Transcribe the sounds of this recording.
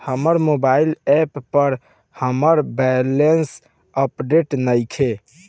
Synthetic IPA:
həməɾmobailɛpːəɾ | həməɾbɛlens | əpɖeʈnəjkʰe

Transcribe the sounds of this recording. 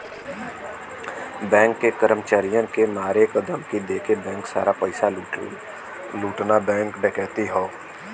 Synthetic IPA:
bɛ̃ːŋkːekəɾəmt͡ʃaːɾijənkemaːɾekəd̪əmkid̪eːkebɛ̃ːŋksa̰ːɾapəɪsa | luːʈnabɛ̃ːŋkɖekɛːt̪iɦoː

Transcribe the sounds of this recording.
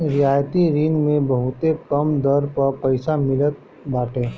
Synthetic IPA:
ɾɪjaːjt̪iɾɪŋɡmẽbəɦʊt̪ekɐmd̪əɾpɐɾpəɪsamɪlət̪̚ | baːʈẽː

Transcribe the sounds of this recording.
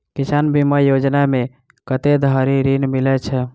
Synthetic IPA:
kisanbimajod͡ʒname | kət̪ed̪ʱəɾiɾinmilɛt͡ʃʰɛ

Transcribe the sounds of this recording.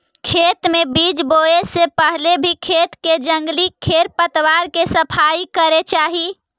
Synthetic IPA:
kʰet̪mebid͡ʒboesepəɦlebʱikʰet̪ked͡ʒə̃ŋɡlikʰeɾpət̪ʋaɾkesəpʰaikəɾet͡ʃaɦi

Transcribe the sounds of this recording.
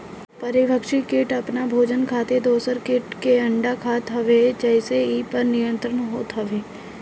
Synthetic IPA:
pəɾɪʋəkʃikeːʈɐpnabʱoːd͡ʒənkʰaːt̪ed̪oːsəɾkeːʈkeɐ̃ɳɖakʰaːt̪ɦɐʋed͡ʒəɦɪseipəɾnɪjə̃nt̪ɾənɦoːt̪ɦɐʋeː

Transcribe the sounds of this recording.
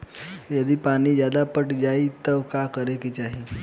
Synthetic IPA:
jəd̪iːpaɽ̃iːd͡ʑjad̪apəʈd͡ʑait̪əʋkakəɾekit̪aɦi

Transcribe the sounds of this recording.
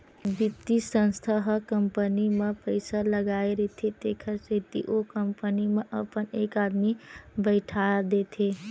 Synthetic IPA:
bɪt̪isə̃nst̪ʰəɦkə̃mpənimẽpəɪsaləɡaːeɾet̪ʰet̪eːkʰəset̪ḭʔokəmpənimẽʔəpəneːkaːd̪mibəɪʈʰaːd̪eːt̪ʰeː

